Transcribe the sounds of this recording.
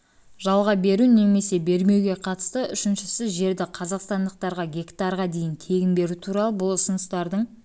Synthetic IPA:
ʒɑlˠʁɑbe̞ɾune̞me̞se̞be̞ɾme̞wɡʲe̞qʰɑt̪ə̥st̪əʔʏʃɪnʃɪsɪzʒe̞ɾd̪ɪqʰɑzɑqst̪ɑnd̪əq̚t̪ɑɾʁɑɡʲe̞kt̪ɑɾʁɑd̪e̞jɪnt̪ʰe̞ɡʲɪnbe̞ɾut̪ʰuɾɑlˠəbʊlˠʊsʊnəst̪ɑɾd̪əɴ

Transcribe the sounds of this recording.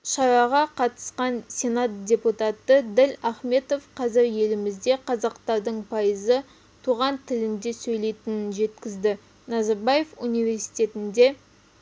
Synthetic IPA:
ʃɑɾɑʁɑqʰɑt̪ə̥sqɑnsʲe̞nat̪̚d̪ʲe̞put̪at̪əd̪ɪlaχme̞t̪o̞fqʰɑzɪɾje̞lɪmɪzd̪e̞qʰɑzɑqt̪ɑɾd̪əɴpʰɑjəzə | t̪ʰuʁɑnt̪ʰɪlɪnd̪e̞sɵjle̞jt̪ɪnɪnʒe̞t̪kʲɪzd̪ɪ | nɑzɑɾbaje̞funijvʲe̞ɾsi̥jt̪ʲe̞t̪ɪnd̪e̞

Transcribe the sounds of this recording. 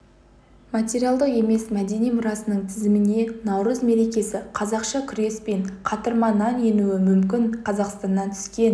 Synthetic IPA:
mat̪ʲeɾijalˠd̪əqe̞me̞smæd̪e̞nijmʊɾɑsənəɴt̪ʰɪzɪmɪne̞nɑwɾəzme̞ɾe̞kʲe̞sɪqʰɑzɑqʃɑkʲʰʏɾe̞spe̞ɴqʰɑt̪əɾmɑnɑnje̞nuɪmʏmkʲɪɴqʰɑzɑqst̪ɑnːɑnt̪ʰʏ̥skʲe̞n

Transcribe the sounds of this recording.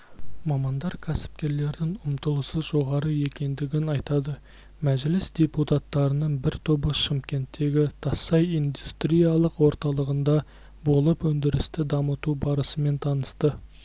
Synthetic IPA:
mɑmɑnd̪ɑɾkʲʰæsɪ̥p̚kʲe̞ɾle̞ɾd̪ɪŋʊmt̪əlˠəsəzʒo̞ʁɑɾəje̞kʲe̞nd̪ɪɡʲɪnɑjt̪ɑd̪ə | mæʒlɪsd̪̥ʲe̞put̪ɑt̪ːɑɾənəɴbɪɾt̪ʰobəʃɪmkʲe̞nt̪ːe̞ɡʲɪt̪ʰɑsːɑjind̪ust̪ɾijɑlˠəqwo̞ɾt̪ɑlˠəʁənd̪ɑ | bo̞lˠəpwɵnd̪ɪɾɪst̪ɪd̪ɑmət̪ubɑɾəsəme̞nt̪ʰɑnəst̪ə

